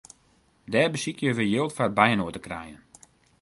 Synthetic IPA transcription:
dɛːbəsikjəʋəjølˠtfat̚bɛjənoətəkrɛ̰jən

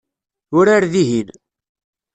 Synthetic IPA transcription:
ʊɾaɾðiɦin

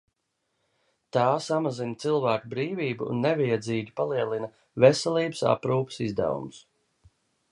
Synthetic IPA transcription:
t̪aːsamazint̪silˠvæːkubɾiːviːbṵːnːɛvɛjɛd̪ziːɡʲipalˠiɛlˠina | vɛsɛlˠiːbsa̰pɾuːpə̥sizd̪æ̰vṵms

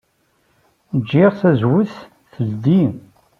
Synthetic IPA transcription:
d͡ʒːɪʁθæzwəθ | θəld̪im

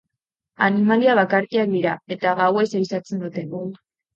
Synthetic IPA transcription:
animaliaβ̞akaɾkiak̚d̪iɾae̞t̪aɣawe̞sajsat͡se̞nd̪ut̪e̞

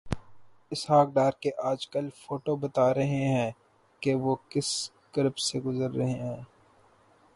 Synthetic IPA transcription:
ɪsɦaːk̚ɖaːɾkeʔaːd͡ʒkɐlfoːʈobɐt̪aːɾɐɦeɦɛ̃ː | keʋoːkɪs | kɐɾbseɡʊzəɾːɐɦeɦɛ̃ː

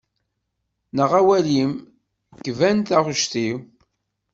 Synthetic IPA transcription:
nəʁæwælim | kːvænt̪æʁəʃt̪iw

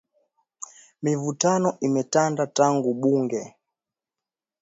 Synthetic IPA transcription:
mivutanɔʔimɛtandataŋɡuɓuŋɡɛ

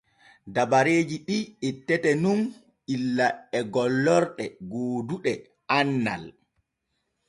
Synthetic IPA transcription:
dabaɾeːd͡ʒiɗietːɛtɛnun | ilːaɛɡɔlːɔɾɗɛɡoːduɗɛ | anːa̰l

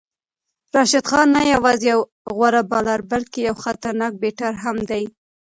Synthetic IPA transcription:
ɾɑʃɪd̪xɑnːajawɑzejaw | ɣwaɾabɑlaɾbalt̪̚kejawxat̪aɾnɑk̚beʈaɾɦamd̪aj

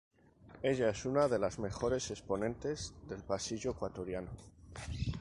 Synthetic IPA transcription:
e̞ʎae̞sunaðe̞lazme̞xo̞ɾe̞se̞spo̞nẽ̞nt̪e̞zðe̞lpasiʝoekwat̪o̞ɾjano

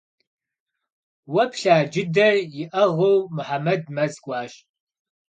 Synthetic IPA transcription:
wɐpɬaːd͡ʒɪdɐrjɪʔɐʁɐwmʊħamɐdmɐzkʷʼɑːɕ

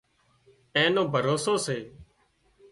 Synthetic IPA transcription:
ẽːnõːbʱəɾoːsoːseː

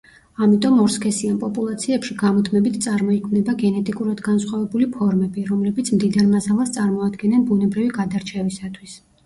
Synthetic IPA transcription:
amit̪ʼɔmɔɾskʰɛsianpʼɔpʼulˠat̪sʰiɛpʃiɡamɔt̪ʰmɛbit̪ʰt̪sʼaɾmɔikʰmnɛbaɡɛnɛt̪ʼikʼuɾad̪ɡansχwavɛbulipʰɔɾmɛbiɾɔmlɛbit̪sʰmd̪id̪aɾmasalˠast̪sʼaɾmɔad̪ɡɛnɛnbunɛbɾiviɡad̪aɾt͡ʃʰɛvisat̪ʰwis

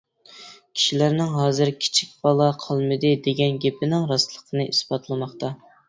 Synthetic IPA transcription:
kʲʰi̥ʃilæɾnɪŋɦɑːzɨɾkʲʰi̥t͡ʃʰi̥k̚ʲbɑlˠɑqʰɑlˠmɨd̪ɨd̪eɡʲɛnɡʲepʰɪnɪŋɾɑst̪lˠəqʰənɨʔisbɑt̪lˠɨmɑχt̪ɑ

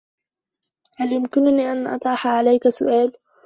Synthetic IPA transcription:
haljʊmkɪnʊniːʔanʔɑ̰t̪ˤʕɑħaʕalajkasʊ̰ʔaːl

